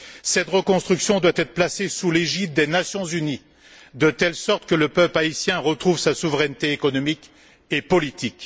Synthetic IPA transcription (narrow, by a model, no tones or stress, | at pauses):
sɛt̪ʁəkɔ̃st̪χyksjɔ̃d̪wat̪ɛt̪χəplasesuleʒit̪̚d̪enasjɔ̃zyni | d̪ət̪ɛlsɔʁt̪kələpœplaisjɛ̃ʁət̪χuvsasuvʁɛnt̪eːkɔnɔmik | epɔlit̪ik